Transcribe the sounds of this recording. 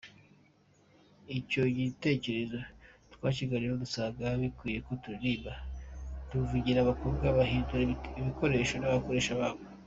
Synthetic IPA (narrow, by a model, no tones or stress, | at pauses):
ico̞ɟite̞ːce̞ɾe̞zotwaːt͡ʃiɡaɾiɾodusaɡaβikwiːje̞ko̞tuɾiɾiːβatuvuɟiɾaβakuuβɡaβaɦiːnduɾiβiko̞ɾe̞ːʃo̞naβako̞ɾe̞ːʃaβaːβe